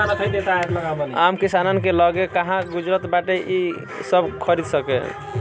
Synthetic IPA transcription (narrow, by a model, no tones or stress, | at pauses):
anət̪ʰəjd̪et̪aat̪ləɡabɔnamkisanənkeləɡekaɦãɡud͡ʒɾət̪baʈeʔi | səbkʰəɾid̪səkḛ